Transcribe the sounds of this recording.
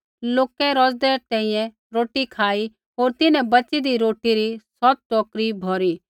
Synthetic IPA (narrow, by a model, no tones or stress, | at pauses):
loːkɛɾɔd͡ʒd̪ɛt̪ɛ̃ĩjɛ̃ | ɾoːʈikʰaːi | ɦoːɾt̪ɪnɛ̃bɐt͡ʃid̪iɾoːʈiɾisɔt̪̚ʈɔːkɾibʱɔːɾiː